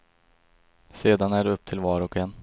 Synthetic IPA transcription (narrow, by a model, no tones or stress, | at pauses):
seːd̪anæɖɵɵpːt̪ʰɪlvɑːɾɔkɛnː